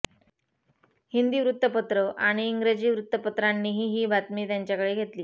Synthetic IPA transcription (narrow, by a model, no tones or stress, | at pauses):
hind̪iːʋɾut̪ːəpət̪ɾəʔaɽ̃iːŋɡɾed͡ʑiːʋɾut̪ːəpət̪ɾanːiːɦiːɦiːbʱat̪miːt̪jaɲt͡ɕjakəɽeːɡʱet̪liː